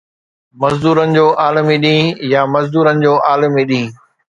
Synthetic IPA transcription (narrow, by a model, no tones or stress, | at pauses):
mɐzd̪uːɾənɪ̆d͡ʑoːʔaːləmiɗĩːjamɐzd̪uːɾənɪ̆d͡ʑoːʔaːləmiɗĩː